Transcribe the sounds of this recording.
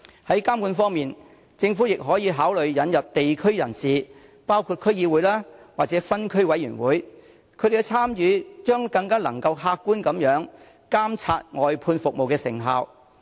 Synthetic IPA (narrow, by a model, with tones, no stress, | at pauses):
hɐ˨˥jkaː˥mkuː˧nfɔː˥ŋmiː˨n | t͡sɪ˧ŋfu˨˥jɪ˨k̚ɦɔː˨˥jiː˨˧ɦaː˨˥wlɵ˨ɥjɐ˨˧njɐ˨p̚t̪e˨jkʰɵ˥ɥjɐ˨˩nsiː˨ | paː˥wkʰu˨˧t̚kʰɵ˥ɥjiː˧wuː˨˥jlaː˥waː˨˩t͡sɛː˨˥fɐ˥nkʰɵ˥ɥwɐ˨˥jyː˨˩nwuː˨˥j | kʰɵ˨˧jd̪e˨˩kːɛ˧t͡sʰaː˥mjyː˨˥t͡ʃœː˥ŋkɐ˧ŋkaː˥lɐ̰˨˩ŋkɐ˧wɦaː˧kːuː˥nkɐ˨˥mjœː˨˥ŋ | kaː˥mt͡sʰaː˧t̚ŋɔː˨jpʰuː˧nfʊ˨k̚mo˨wkɛː˧sɪ̰˨˩ŋɦaː˨˧w